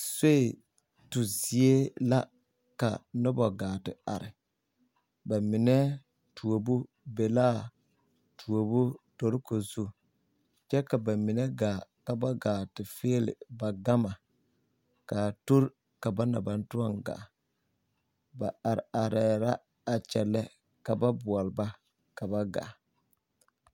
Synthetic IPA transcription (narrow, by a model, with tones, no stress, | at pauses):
se˦ɪ˨ | tʊ˨zi˨e˦la˦ | ka̰˨nɔ˦bɔ˨ɡaː˨tɪ˨a̰˨ɾɪ˨ | ba˨mɪ˨nɛ˦ | tʰu˨o˨bu˦ | be˨la˦ | tʰu˨o˨bʊ˦to˨ɾko˨zu˦ | t͡ʃɛ˦ka˨ba˨mɪ˨nɛ˦ɡaː˨ka˨ba˦ɡaː˨tɪ˨fɪː˦lɪ̰˨ba˨ɡa˦ma˨ | kaː˨tu˦ɾ | ka˨ba˦na˨ba˨n˦tu˦ɔ˦ŋɡa̰˨ | ba˨a˨ɾɪ˨a˨ɾɛː˨ɾa˦ | a˨t͡ʃɛ˨lɛ˦ | ka˨ba˦bʊ˨ɔ˨lba˦ | ka˨ba˦ɡa̰˨